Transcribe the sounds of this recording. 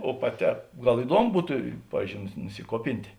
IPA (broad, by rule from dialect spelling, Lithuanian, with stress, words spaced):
oː pɐˈtʲɛː ˈɡɐlˠ ɪˈduɔmʊ ˈbʊtʊ ˈpɑːʋʲiːzʲd͡ʒʲoːʊ nʊsʲɪ nʊsʲɪˈkuɔpʲɪnʲtʲeː